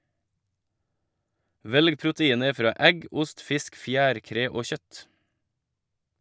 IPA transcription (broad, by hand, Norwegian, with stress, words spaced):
ˈʋɛlɡ pɾʊtəˈiːnə ˈfɾɑː ˈʔɛɡ ˈʊst ˈfɪsk ˈfjæːɾˌkɾeː ˈoː ˈçœt